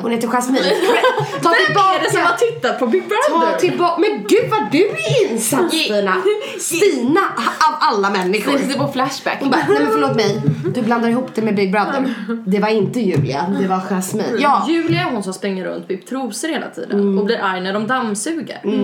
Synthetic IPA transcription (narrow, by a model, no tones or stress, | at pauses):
hʊneːt̪ːəɧasmi | t̪ʰɑːd̪ɪlbɑːsɔat̪ʰɪt̪ːat̪̚pʰɔbɪɡ̚bɾasɔt̪ʰɪlbɑmɛnɡʉ̟ːd̪vaɖɵɪnsaiːna | st̪iːnaavalːamɛnːɪɧʊɾflæʂbæ̰kːhʊnbaɛmɛnfœɭoːt̪mɛjd̪ɵbland̪aɾɪhuːpːd̪ɛmɛbɪɡ̚bɾand̪ənd̪ɛvaɾɪnt̪əjʉ̟ːlɪ̰a̰d̪ɛvaɧasmḭːjɑːjʉ̟ːlɪaɾɦʊnsɔspɾɪŋːaɾɵ̰nt̪bɪpt̪ʰɾuːsəɾheːlʔa̰t̪ʰḭːd̪ə̰nɔbliːɾʔajnæɖɔmd̪amsʉ̟ːɡə̰ɾ